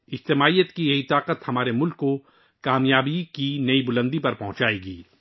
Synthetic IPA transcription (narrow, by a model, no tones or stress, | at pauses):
ɪd͡ʒt̪ɪmaːijət̪kijɐɦit̪aːqət̪hɐmaːɾemʊlkːo | kaːmjaːbikinɐibʊlə̃nd̪ipɐɾpɐɦʊ̃t͡ʃaːeːɡiː